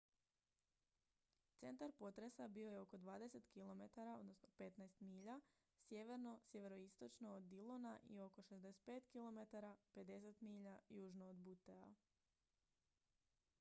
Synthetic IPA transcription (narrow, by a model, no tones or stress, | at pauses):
t̪se̞nt̪aɾpo̞t̪ɾe̞sabio̞je̞o̞ko̞d̪ʋaːd̪e̞se̞t̪kilˠo̞me̞t̪aɾao̞̰d̪no̞sno̞pe̞t̪najst̪miːʎa | sje̞ʋe̞ɾno̞sje̞ʋe̞ɾoist̪o̞t͡ʃnoːd̪ilˠona̰ʔḭo̞ko̞ʃezd̪ese̥t̪̚pe̞ːt̪kilˠo̞me̞t̪aɾape̞d̪e̞se̞t̪miːʎajuːʒnoːd̪but̪ea